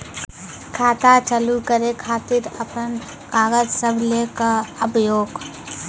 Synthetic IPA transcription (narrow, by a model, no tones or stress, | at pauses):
kʰaːt̪at͡ʃəlukəɾekʰaːt̪ɪɾəpən | kaːɡəd͡ʒsəbʱlekaɐbjoːɡ